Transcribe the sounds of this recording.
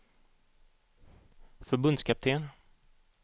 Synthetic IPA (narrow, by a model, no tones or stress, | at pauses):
fœɾbɵnd̪skʰap̚t̪ʰeːn